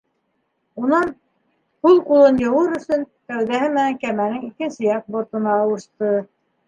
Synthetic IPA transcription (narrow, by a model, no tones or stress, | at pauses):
unɤɴ | qulˠqulˠɤnjɤ̆wɤɾɵ̆sɵn | t̪æwðæhɘmɘ̆næŋkæmænɘŋikɘ̆nsɘ̆jɑq̚bŏɾt̪ɤ̆nɑːwɤ̆ʃt̪ɤ